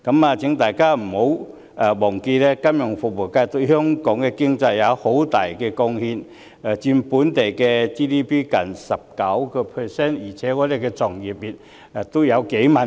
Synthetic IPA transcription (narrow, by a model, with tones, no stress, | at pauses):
kɐ˨˧˥maː˨˧t͡sʰɪ˨˥ŋt̪aː˨˩jkaː˥m̩˨˩ho˨˧˥w | a˨˩wɔː˨˩ŋke˧lɛː˥kɐ˥mjʊ˨˩ŋfʊ˨k̚wu˨˩kaː˧jt̪o˧hœ˥ŋkɔː˨˥ŋkɛ˧kɪ˥ŋt͡sa˧jːɐ˨˧who˨˥wt̪aː˨jkɛ˧kɔ˧ŋhi˧nː˨˩ | t͡ɕi˧npuː˨˥nt̪e˨˩jkɛ˧t͡siː˥d̪iː˥pʰiː˥kɐ˨˩nsɐ˨˩p̚kɐ˨˥wkɔ˧pʰə˨˩sɛː˥njiː˨˩t͡sʰɛː˨˥kɔː˨˥le˨˩kɛ˧t͡sɔ˨˩ŋji˨p̚ji˨˩t̚ | ɛ˨t̪o˥wjɐ˨˧wke˨˥jmɐ˨˩n